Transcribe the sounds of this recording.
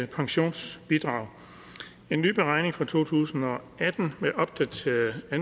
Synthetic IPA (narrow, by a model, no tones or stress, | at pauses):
pʰɑ̈ŋɕo̝̰ːnsb̥id̥ʁɑ̈ʊ̰ | e̝nːy̰ːb̥eʁɑ̈ɪ̰ne̝ŋfʁɑ̈t͡sʰo̝̰ːt͡sʰṵːsn̩ɒ̽ | æd̥n̩meʔɒ̽b̥̚d̥æt͡sʰeæn